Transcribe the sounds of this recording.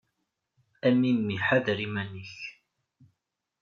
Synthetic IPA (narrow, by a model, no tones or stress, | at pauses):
æminmiħaðɾimænəç